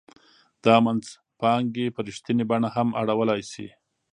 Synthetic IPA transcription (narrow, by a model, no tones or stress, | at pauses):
d̪̥ɑmanz | pɑŋɡepəɾiʃt̪inebaɳahamaɽawəlɑjsḭ